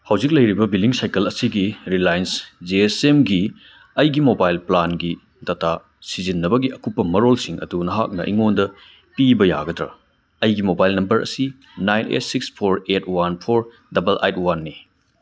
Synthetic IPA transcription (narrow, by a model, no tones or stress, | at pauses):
hɐwzik̬̚lɐjɾibɐbiliŋsajkɐlɐsiɡiɾilajnsd͡ʒeesemɡi | ɐjɡimobajlplanɡi | tɐtʰa | sizinːɐbɐɡiʔɐkupːɐmɐɾolsiŋɐ̰dunɐɦak̚nɐ̰ʔḭŋondɐ | pibɐja̰ɡɐdɾɐ̰ | ɐjɡimobajlnɐmbɐɾɐ̰si | najnḛtsikspʰoɾet̚wanpʰoɾ | dɐbɐlʔḛjtwanːi